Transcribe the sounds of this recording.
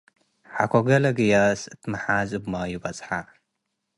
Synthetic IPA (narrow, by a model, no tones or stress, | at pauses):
ħa̰kʰoɡɐlɐɡɨjasɨt̪mɨħazʼɨbmajɪbɐt͡sʼħa